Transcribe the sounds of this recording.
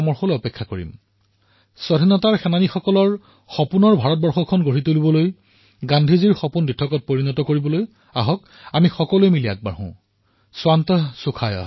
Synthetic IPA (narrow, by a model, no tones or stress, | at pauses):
ɔmɔɹxɔlɔpɛkʰːakoɹḭm | sɔdʱinɔtaɹxɛnanixɔkɔlɔɹ | xɔpunɔɹbʱaɹɔt̚bɔɹxɔkʰɔnɡoɹitolibɔloj | ɡandʱiziɹxɔpunditʰːɔkɔt̚poɹinɔtɔkoɹibɔloj | aɦɔk | amixɔkɔlujmilia̰k̚ba̰ɹɦʊ̰̃ | swantɔsukʰajɔ̰